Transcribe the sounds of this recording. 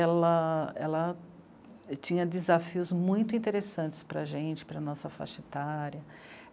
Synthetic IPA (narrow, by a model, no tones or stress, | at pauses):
ɛlɐɛlɐ | t͡ʃĩɲɐd̪ɪzafiʊzmũj̃t̪ʊĩnt̪eɾesɐ̃nt͡ʃɪ̥spɾɐʒẽnt͡ʃɪ̥pɾɐnɔsɐfa̰ʃet̪aɾjɐ